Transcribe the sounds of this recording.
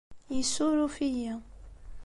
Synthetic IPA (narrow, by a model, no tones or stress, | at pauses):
jisuɾufijæ